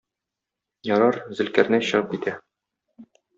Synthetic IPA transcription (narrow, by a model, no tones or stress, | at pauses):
jɒɾɑɾzɘ̆lkæɾnɘɕɤ̆ʁɤp̚kit̪æ